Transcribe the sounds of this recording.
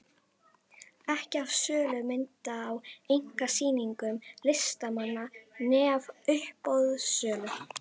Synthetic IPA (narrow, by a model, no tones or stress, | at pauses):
ɛhcavsœːlʏmɪnt̪aːwejŋ̥kasiːniŋkʏmlɪst̪amanːanɛːvʏhpowðsœːlʏ